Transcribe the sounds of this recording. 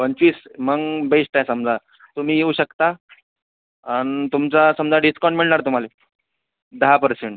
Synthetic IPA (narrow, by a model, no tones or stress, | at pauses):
pənt͡ɕʋiːsməɡbesʈajsəmd͡za | t̪um̤iːjeuɕəkt̪a | añit̪umt͡sasəmd͡zaɖiskɔɳʈmiɭɳaɾt̪um̤ale | d̪əɦapəɾseɳʈ